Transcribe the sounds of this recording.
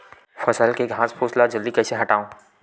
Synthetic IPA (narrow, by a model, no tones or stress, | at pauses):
fɐsəlkeɡʱãːspʰʊːslad͡ʒəld̪ikɛːseɦɐʈaːõː